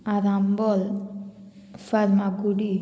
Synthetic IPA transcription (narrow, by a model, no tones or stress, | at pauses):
aɾambol | faɾmaɡuɽi